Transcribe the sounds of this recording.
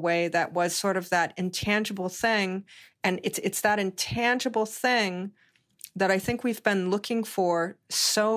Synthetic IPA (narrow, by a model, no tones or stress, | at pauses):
weɪðɨʔ̚wʌz̥sɔɹɾʌvðəɾɨ̃ntʰæ̃nd͡ʒɨbl̩ˠθɪ̃ŋɨ̃nɨtsɨtsðɨɾɨ̃ntʰæ̃nd͡ʒɨbl̩ˠθɪ̃ŋ | ðɨɾaɪθɪ̃ŋkwivbɨ̃nlʊkʰɪ̃ŋfə˞soʊ